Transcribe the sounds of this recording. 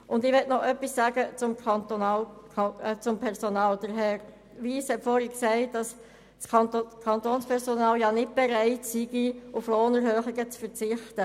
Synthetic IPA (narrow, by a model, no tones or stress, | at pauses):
ʔʊndɪʋɛtnɔʔœpːisːæːɡət͡sʊmkɑnt̪onɑl | t͡sʊmpʰɛɾsonɑːld̥əɾɦɛɾ | ʋiːshɛtfɔːɾhɛksæɪtd̥ɑs | skʰɑkʰɑntoːnspʰɛɾsonɑːljɑnɪt̚b̥eɾæɪtsiɡiufloːnəɾhøːχɪɡət͡sfət͡sɪχtə